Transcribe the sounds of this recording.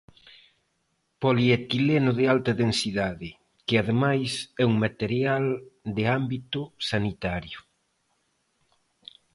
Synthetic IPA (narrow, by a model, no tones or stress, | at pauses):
poliet̪ilenʊðɪalt̪aðensiðaðɪ | kɪaðemajsɛuŋmat̪eɾjald̪ɪambit̪ʊsanit̪aɾjʊ